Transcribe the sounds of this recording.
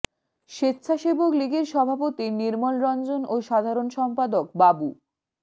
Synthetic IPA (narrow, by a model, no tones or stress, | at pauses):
ʃet̪ːɕʰaʃebokliɡeɾʃɔbʱapot̪iniɾmolɾɔnd͡ʑonoʃad̪ʱaɾonʃɔmpad̪ok̚babu